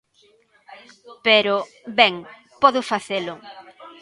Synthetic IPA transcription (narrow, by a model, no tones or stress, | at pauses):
peɾʊ | bɛŋ | pɔðʊfaθelʊ